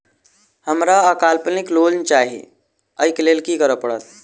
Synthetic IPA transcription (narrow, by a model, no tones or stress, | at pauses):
həmɾaəkalpəniklolnt͡ʃaɦḭ | əjklelkikəɾəpəɽət̪̚